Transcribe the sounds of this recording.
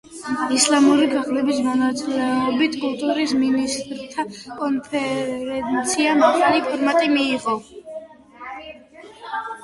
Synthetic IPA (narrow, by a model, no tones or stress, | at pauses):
islˠamuɾiɡaʁlɛbismɔnat̪sʼilɛɔbit̪ʰkʼulˠt̪ʼuɾisminist̪ʼɾt̪ʰakʼɔnpʰɛɾɛnt̪sʰiamaχʰalipʰɔɾmat̪ʼimiːʁɔ